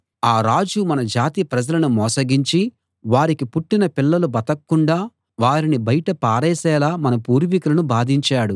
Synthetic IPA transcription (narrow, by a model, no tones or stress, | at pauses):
aːɾaːd͡ʒumɐnɐd͡ʒaːt̪ipɾɐd͡ʒɐlɐnumɔːsɐɡiɲt͡ʃi | ʋaːɾikipuʈːinɐpilːɐlubɐt̪ɐkːuɳɖaː | ʋaːɾinibɐjʈɐpaːɾɛːsɛːlaːmɐnɐpuːɾʋikulɐnubaːd̪ʱiɲt͡ʃaːɽu